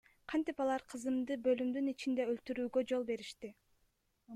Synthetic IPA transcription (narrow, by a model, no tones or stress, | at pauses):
qʰɑnt̪ipɑlˠɑɾqʰɯzɯmd̪ɯbø̞lymd̪ynit͡ʃind̪e̞ølt̪yɾyːɡø̞d͡ʒo̞lˠbe̞ɾiʃt̪i